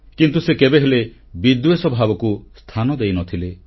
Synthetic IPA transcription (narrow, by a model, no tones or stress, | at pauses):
kint̪usekebeɦele | bid̪wesɔbʱabɔkust̪ʰanɔd̪ejnɔt̪ʰile